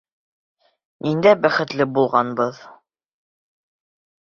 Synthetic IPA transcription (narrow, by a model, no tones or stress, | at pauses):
nind̪æbæχɘ̆t̪lɘbulˠʁɑnbɤð